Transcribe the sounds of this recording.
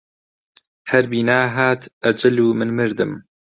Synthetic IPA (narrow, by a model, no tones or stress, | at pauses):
hɐɾbiːnaːɦaːt̪ʔɐd͡ʒɐluːmɨnmɨɾd̪ɨm